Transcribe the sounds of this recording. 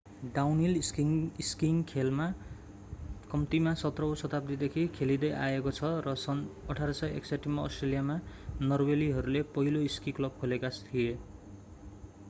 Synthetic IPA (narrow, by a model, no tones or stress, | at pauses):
ɖawniliskiŋkʰelma | kʌmt̪imasʌt̪rʌosʌt̪ap̚d̪id̪ekʰikʰelid̪ʌjʔa̰ekot͡sʰʌrʌsʌnʌʈʰaɾʌsʌjḛkseʈimaʌ̰sʈrelijamanʌrweliɦʌɾulepʌɦiloiskiklʌb̚kʰolekast̪ʰije